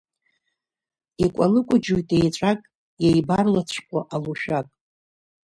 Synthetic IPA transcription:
ikʷʼalɨkʷʼʊd͡ʒujtʼejʈ͡ʂʷʼakʼ | jejbarlat͡ɕʷʰkʷʰʼaʔaluʃᶣakʼ

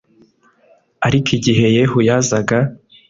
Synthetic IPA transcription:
aɾikʰiɟiɦe̞jeɦujazaɡa

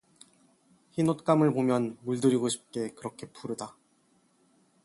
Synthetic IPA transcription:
çinot̚k͈amɯɭpomjʌnmuɭdɯɾiɡoɕʰi̥p̚k͈e̞kɯɾʌkʰe̞p͈ʰuɾɯda

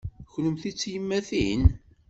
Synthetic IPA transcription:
çləmθit͡sːjəmːæθin

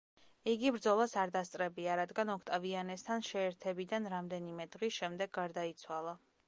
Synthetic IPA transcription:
iɡibɾd̪zɔlˠasaɾd̪ast̪sʼɾɛbiaɾad̪ɡanɔkʰt̪ʼavianɛst̪ʰanʃɛːɾt̪ʰɛbid̪anɾamd̪ɛnimɛd̪ʁisʃɛmd̪ɛɡːaɾd̪ait̪sʰwalˠa

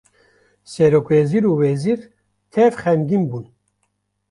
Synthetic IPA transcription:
sɛɾokweziɾuːwɛziɾ | t̪ʰɛvχɛnɡinbun

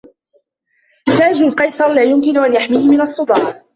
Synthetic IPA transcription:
t̪aːd͡ʒʊlqɑjsˤɑɾˤlaːjʊmkɪnʊʔanjaħmiːhmɪnɑsˤːʊd̪ˤɑːʕ

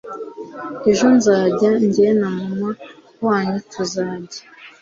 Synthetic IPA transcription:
eʒo̞nzaːɟaɲɟenamuma | waːɲetʰuzaːɟḁ

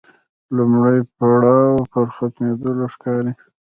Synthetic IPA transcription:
lʊmɽajpaɽɑwpəɾxat̪med̪olaʂkɑɾi

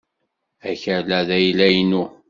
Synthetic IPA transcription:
æçəɾlæðæjlæjnu

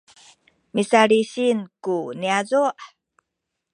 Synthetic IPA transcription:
misaɾiɕinkuniazuʔ

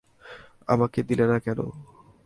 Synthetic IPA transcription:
a̰maked̪ilenakɛno̰

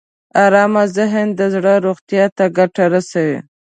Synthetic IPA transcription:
ɑɾɑmazɪɦənd̪əzɽəɾoɣt̪jɑt̪aɡaʈaɾasawḭ

